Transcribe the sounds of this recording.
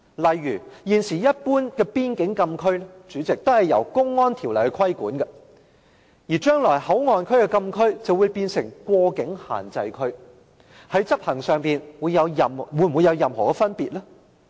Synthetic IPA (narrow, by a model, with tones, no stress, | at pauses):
lɐ˨jːyː˨˩jiː˨nsiː˨˩jɐ˥t̚puː˥nkɛː˧piː˥nkɪ˨˥ŋkɐ˧mkʰɵ˥ɥɛ˥t͡ʃyː˨˥t͡sɪ˨k̚t̪o˥whɐ˨˩jːɐ̰˨˩wkʊ˥ŋːɔː˥nt̪ʰi˨˩wlɐ˨˩jkɛ˧kʰɐ˥jkuː˨˥nkɐ˧ | jiː˨˩t͡ʃœː˥ŋlɔː˨˩jhɐ˨˥wŋɔː˨˧nkʰɵ˥ɥkɛ˧kɐ˧mkʰɵ˥ɥt͡sɐ˨wu˨˧jpiː˧nsɪ˨˩ŋkʷɔː˧kɪ˨˥ŋha̰ː˨˩nt͡sɐ˧jkʰɵ˥ɥ | hɐ˨˥jt͡sɐ˥p̚hɐ˨˩ŋsœː˨˧ŋpiː˨nwuː˨˧jːɐ˨˧wjɐ˨mwuː˨˧nm̩˨wu˨˧jɐ˨˧wjɐ˨mɦɔː˨˩kɛ˧fɐ˥npiː˨t̚laː˥